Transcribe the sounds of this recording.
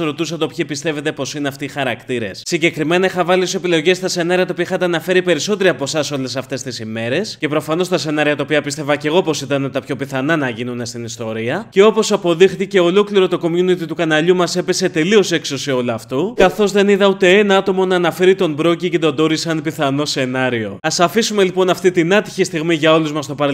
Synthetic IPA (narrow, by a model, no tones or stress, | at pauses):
ɾo̞t̪usɐt̪opçipist̪e̞ve̞t̪e̞po̞sineɐft̪iːxɐɾɐkt̪iɾe̞ssiɲɟe̞kɾime̞nɐixɐvɐliose̞pilo̞ʝe̞st̪ɐse̞nɐɾiɐt̪opiɐixɐt̪eɐnɐfe̞ɾipe̞ɾiso̞t̪e̞ɾiɐpo̞sɐso̞le̞sɐft̪e̞st̪isime̞ɾe̞sce̞pɾo̞fɐno̞st̪ɐse̞nɐɾiɐt̪ɐopiɐpist̪e̞vɐce̞ɣo̞po̞sit̪ɐne̞t̪ɐpço̞piθɐnɐnɐʝinune̞st̪inist̪o̞ɾiɐceo̞po̞sɐpo̞ðixθice̞o̞lo̞kliɾo̞t̪oko̞mjunit̪it̪ukɐnɐʎumɐse̞pe̞se̞t̪e̞lio̞se̞kso̞sio̞lɐft̪ukɐθo̞zðe̞niðɐut̪e̞enɐɐt̪o̞mo̞nɐːnɐfe̞ɾit̪o̞mbɾo̞cicet̪od̪o̞ɾisɐnpiθɐno̞se̞nɐɾio̞ɐsɐfisume̞lipo̞nɐft̪it̪inɐt̪i̥çist̪iɣmiʝɐo̞luzmɐst̪o̞pɐ